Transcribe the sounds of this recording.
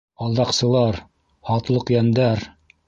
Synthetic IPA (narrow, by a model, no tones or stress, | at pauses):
ɑlˠd̪ɑqsɤ̆lˠɑɾ | hɑt̪lˠɤqjænd̪æɾ